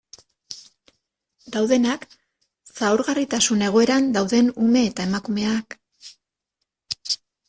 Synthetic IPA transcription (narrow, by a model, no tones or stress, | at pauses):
d̪awðe̞nak | saoɾɣarit̪asune̞ɣ̞o̞e̞ɾand̪awðe̞nume̞ːt̪ae̞makume̞ak